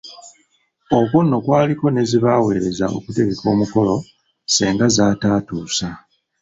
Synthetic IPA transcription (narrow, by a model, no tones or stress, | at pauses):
o̞konːo̞kwaːliko̞ne̞ziβawe̞ːɾe̞za̰o̞̰kute̞ɡe̞kʰo̞ːmuko̞lo̞ | seːŋɡazaːtaːtuːsa